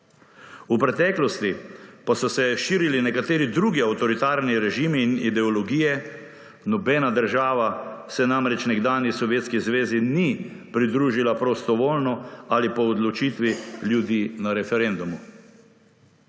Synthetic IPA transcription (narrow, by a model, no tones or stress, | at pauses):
upɾɛt̪ɛːklɔst̪ipasɔsɛʃiːɾilinɛkat̪eːɾid̪ɾuːɡiawt̪ɔɾit̪aːɾniɾɛʒiːmiːnid̪ɛɔlɔɡiːjɛ | nɔbɛːnad̪əɾʒaːʋasɛnamɾɛt͡ʃnɛɡd̪aːnjisɔʋjet̪skizʋeːzinipɾid̪ɾuːʒilapɾost̪ɔʋoːlnɔalipɔːd̪lɔt͡ʃiːt̪ʋiljud̪iːnaɾɛfɛɾɛnd̪umu